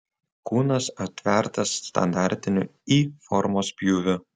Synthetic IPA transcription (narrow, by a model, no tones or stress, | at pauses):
kuːnɐsɐt̪ʲʋʲɛɾt̪ɐsst̪ɐ̰nd̪ɑˑɾʲt̪ʲɪnʲʊifɔɾmoːspʲjuːʋʲʊ